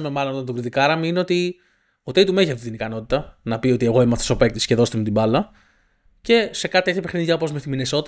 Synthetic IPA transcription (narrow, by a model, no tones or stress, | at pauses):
ɐme̞mɐlonot̪ɐnt̪ɡɾiðikɐɾɐmiineo̞t̪i | ot̪eit̪umeiçeft̪it̪inikɐno̞t̪it̪ɐnɐpio̞t̪ie̞ɣo̞imɐft̪osope̞k̚t̪isceðo̞st̪emet̪ibɐlɐ | ce̞se̞kɐt̪it̪eçɐepexniniʝɐpozmestimineso̞t̪i